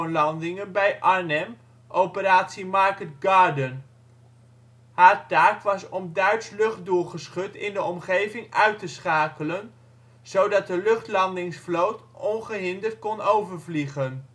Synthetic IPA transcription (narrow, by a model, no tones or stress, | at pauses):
nlɑndɪŋənbɛjʔɑɹnɛm | ʔowpəɾaːtsimɑɹkədɡɑːɹdən | haːɹtaːkʋɑsɔmdœɥtslɵχt̚dulˠχəsχɵtɪndəɔmχejvɪŋœɥtəsχaːkələn | z̥owdɑt̚dəlɵχtlɑndɪŋsflowtɔnχəɦɪndəɹt̚kɔnowvəɹvliχən